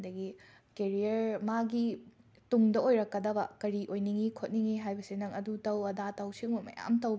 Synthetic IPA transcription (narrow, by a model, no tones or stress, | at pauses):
dɐɡi | keɾiɐɾmaɡi | tuŋdɐojɾɐkːɐdɐbɐkɐɾiʔojniŋikʰot̚niŋiɦajbɐsenɐŋɐdutɐwɐdatɐwsiŋmɐmɐ̰ja̰mtɐwb